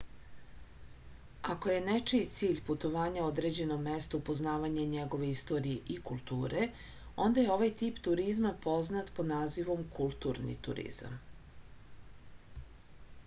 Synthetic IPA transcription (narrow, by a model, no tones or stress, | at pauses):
ako̞je̞net͡ʃiit̪siːʎput̪o̞ʋaːɲaod̪ɾe̞d͡ʑe̞nomːest̪upo̞znaːʋaɲaɲeɡo̞ʋe̞ist̪o̞ːɾijeʔikulˠt̪uːɾe | o̞nd̪ajeo̞ʋajt̪iːpt̪uɾizmapo̞znat̪po̞d̪naːziʋo̞mkʰulˠt̪uːɾnḭt̪ṵɾḭz̥a̰m